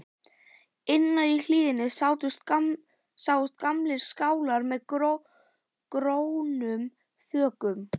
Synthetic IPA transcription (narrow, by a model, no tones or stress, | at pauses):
ɪnːaðil̥iːðɪnɪsaːwt̪ʏst̪ | sawʏst̪̚kamlɪɾ̥skaːwlaɾmɛð | kɾownʏm | θœːkʏm